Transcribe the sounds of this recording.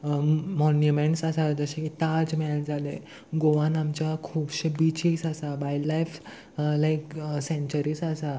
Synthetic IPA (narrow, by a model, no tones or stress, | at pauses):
mɔnjumeɳʈsəsad͡zəɕeit̪ad͡zmɛɭd͡zale | ɡoʋãnamt͡ɕjakʰuːbɕebit͡ɕisəsabajlajf | lajksẽɲt͡ɕəɾiːsasa